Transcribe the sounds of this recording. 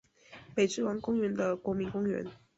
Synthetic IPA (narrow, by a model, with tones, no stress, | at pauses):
pe˨˩ɪʈ͡ʂɻ̩˥˩wɑ˧˥ŋkʊ˥ŋɥɛ˧˥nd̪ə˧kwɔ˧˥mi˧˥nkʊ˥ŋɥɛ̰˧˥n